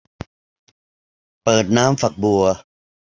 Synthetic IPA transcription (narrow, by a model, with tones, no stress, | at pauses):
pɤː˨˩t̪̚naː˦˥mfa˨˩k̚bu˨ɐ